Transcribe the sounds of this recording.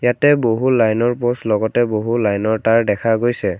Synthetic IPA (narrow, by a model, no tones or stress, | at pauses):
jatɛboɦulajnɔɹposlɔɡɔtɛboɦulajnɔɹtaɹdɛkʰaɡojsɛ